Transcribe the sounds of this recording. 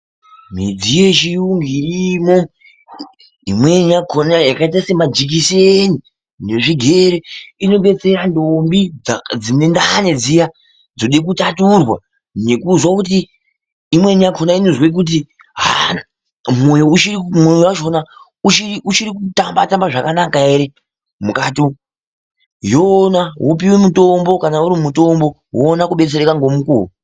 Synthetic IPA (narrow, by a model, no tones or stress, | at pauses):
mḭd͡zije̞t͡ʃijuŋɡirimo̞ | ɦimwe̞nijakʰonajakait̬aisemad͡ʒik̬ise̞ni | neʐiɡʱe̞ɾeino̞ɓe̞t͡se̞ɾandombid͡zine̞ndane̞d͡zija | d͡zo̞ɗek̬utaturwa | ne̞kuzwakutiː | mwe̞nijakʰonainozwek̬ut̬i | ɦa̰ | mojout͡ʃimojowaʃona | ut͡ʃiut͡ʃiɾikutambatambaʐakanakae̞ɾe̞ | mukaːti | jonaɦop̬iwemutombo̞kanauɾimuto̞mbo̞ | ɦoːnakuɓe̞t͡se̞ɾekaŋɡo̞mukuo